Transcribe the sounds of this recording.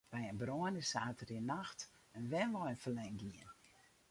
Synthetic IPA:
b̥ɛjənbroənəsaːtʰəriənaxt | ənʋɛnʋɔənfəlɛŋɡiən

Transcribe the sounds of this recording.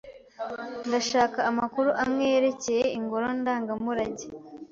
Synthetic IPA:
ndaʃaːkaːmakuɾuʔamŋe̞jeɾe̞ce̞jeiŋɡoɾondaːŋɡamuɾaɟe

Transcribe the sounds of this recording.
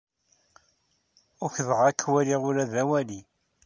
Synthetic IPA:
ʊçðəʁækʰːwæliʁʊɾæðæwæli

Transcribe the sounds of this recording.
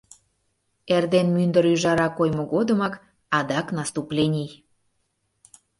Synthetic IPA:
erd̪enmynd̪əɾyʒɑɾɑkojmoɣod̪əmɑk | ɑd̪ɑknɑst̪uplʲenʲij

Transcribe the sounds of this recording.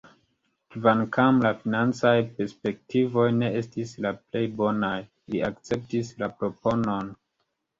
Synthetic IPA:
kvankʰamlafinant͡sajpe̞ɾspe̞k̚tivo̞jne̞e̞stislaple̞jbo̞naj | liakt͡se̞p̚tislapɾo̞po̞no̞n

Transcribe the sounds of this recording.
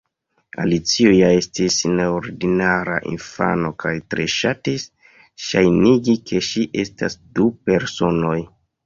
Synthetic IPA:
a̰lit͡siojae̞stisneoɾdinaɾa̰ʔḭnfa̰no̞kʰajtɾe̞ʃatis | ʃajniɡikʰe̞ʃiʔe̞sta̰sdupe̞ɾso̞no̞j

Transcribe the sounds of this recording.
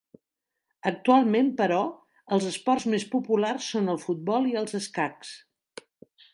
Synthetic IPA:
ək̚t̪ualˠmempəɾɔ | əlˠzəspɔrzmespupularsːonəlˠfud̪̚bɔlˠiəlˠzəskaks

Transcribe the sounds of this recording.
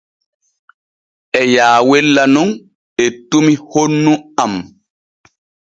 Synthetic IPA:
ɛjaːwelːanuŋ | etumihonːuam

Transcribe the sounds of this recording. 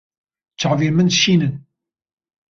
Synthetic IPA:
t͡sːəʕvimənʃinən

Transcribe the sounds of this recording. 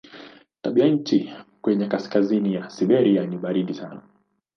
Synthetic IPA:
taɓiaɲ̩t͡ʃikwɛɲɛkaskazinijasiɓɛɾianiɓaɾiɗisana

